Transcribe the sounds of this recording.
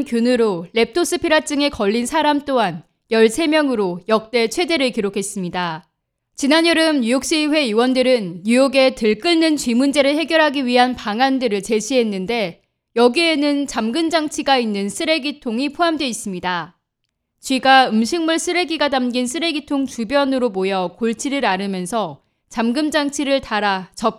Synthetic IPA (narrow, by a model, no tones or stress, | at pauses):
kjonɯɾoɭe̞p̚tʰos͈ɯpʰiɾat͡ɕ͈ɯŋe̞kʌʎːinsʰaɾamt͈oɦan | jʌɭsʰe̞mjʌŋɯɾojʌk̚t͈e̞t͡ɕʰwe̞de̞ɾɯɭkiɾokʰe̞s͈ɯmɲida | t͡ɕinaɲjʌɾɯmɲujok̚ɕ͈iɸwe̞iwʌndɯɾɯnːujoɡe̞tɯɭk͈ɯɭnɯnt͡ɕɥimund͡ʑe̞ɾɯɭhe̞ɡjʌɾɦaɡiɥiɦanpaŋandɯɾɯɭt͡ɕe̞ɕʰiɦe̞nːɯnde̞ | jʌɡie̞nɯnt͡ɕamɡɯmd͡ʑaŋt͡ɕʰiɡainːɯnsʰɯɾe̞ɡitʰoŋipʰoɦamdwe̞is͈ɯmɲida | t͡ɕɥiɡaɯmɕʰiŋmuɭs͈ʰɯɾe̞ɡiɡatamɡinsʰɯɾe̞ɡitʰoŋt͡ɕubjʌnɯɾomojʌkoɭt͡ɕʰiɾɯɾaɾɯmjʌnsʰʌ | t͡ɕamɡɯmd͡ʑaŋt͡ɕʰiɾɯɭtaɾat͡ɕʌp̚